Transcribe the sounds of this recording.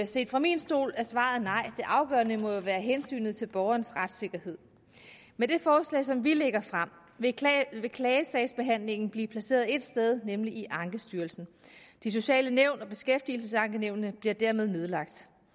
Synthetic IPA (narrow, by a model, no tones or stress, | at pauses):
se̝̰ːd̥fʁɑ̈minsd̥o̝̰ːlæɐsʋɑ̰̈ð̩ˠnɑ̈ɪ̰d̥e̝ʔɑ̈ʊɡ̥ɶ̰ɐnəmɒ̽jo̝ʋæːɐɦensy̰ːnð̞̩ˠt͡sʰe̝lb̥ɒʊɐnsʁad̥se̝ɡ̥ɐhe̝ð̞̰ˠ | med̥e̝fɒːslɛ̰ɪsɒ̽mʋile̝ɡ̥ɐfʁɑm̰ | ʋeʋe̝kʰlɛːəsɛɪsb̥e̝ɦæn̰le̝ŋn̩b̥liːpʰlæse̝̰ːɐðˠe̝d̥sd̥eð̞ˠnemliʔiʔɑ̈ŋɡ̥əsd̥yːɐlsn̩d̥is̬o̝ɕɛ̰ːləneʊ̰nɒ̽b̥e̝sɡ̥efd̥il̩səsɑ̈ŋɡ̥əneʊ̰nnəb̥liɐd̥æɐ̰me̝ð̞ˠne̝ð̞ˠlɑ̈ɡ̥̚d̥